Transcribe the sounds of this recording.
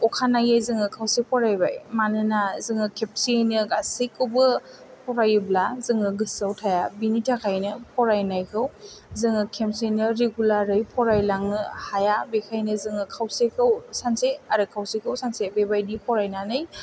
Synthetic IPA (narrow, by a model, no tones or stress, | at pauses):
ɔkʰanajajzɯŋɯkʰawsepʰɔɾajba̰jmanɯnazɯŋɯkʰep̚senɯɡasikɯbɯ | pʰɔɾajɯblazɯŋɯɡɯsawtʰajabinitʰakʰajnɯpʰɔɾajnajkʰɯwzɯŋɯkʰemsenɯɾeɡulaɾɯjpʰɔɾajlaŋɯhajabekʰajnɯzɯŋɯkʰawsekʰɯwsanseaɾɯkʰawsekʰɯwsansebebajdipʰɔɾajnanɯj